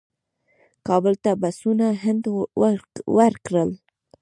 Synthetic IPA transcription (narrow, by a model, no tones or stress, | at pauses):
kɑbəlt̪abasunaɦɪnd̪ | wəɾkɽəl